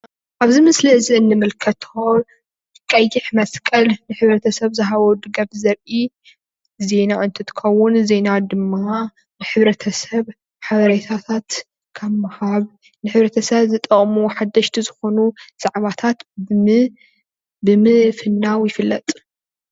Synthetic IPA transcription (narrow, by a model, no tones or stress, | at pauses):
ʔaβzimɨsliɨziɨnːɨmɨlkʰɐt̪ʰo | ɨkʼːɐjːɪħmɐskʼɐlnɨħɨβɾɐt̪ʰɐsɐβzɐɦaβod̪ɨɡɐfzɐɾʔi | ze̞naʔɨnt̪ʰɨt̪ʰɨ̥kʰɐwːʊnze̞nad̪ɨmːa | nɨħɨβɾɐt̪ʰɐsɐβ | ħaβɐɾɐt̪ʰat̪ʰat̪ | kʰɐmːɐhaβ | nɨħɨβɾɐt̪ʰɐsɐβzɨt̪ʼɐχʼmuħad̪ːɐʃt̪ʰizɨxo̞nuz̥aʕβat̪ʰat̪ | bɨmɨfɨnːawjɪfɨlːɐt̪ʼ